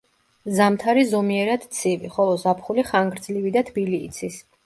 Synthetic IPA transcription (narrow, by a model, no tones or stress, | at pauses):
zamt̪ʰaɾizɔmiɛɾad̪̥t̪sʰiviχɔlˠɔzapʰχuliχaŋɡɾd̪zlivid̪at̪ʰbiliːt̪sʰis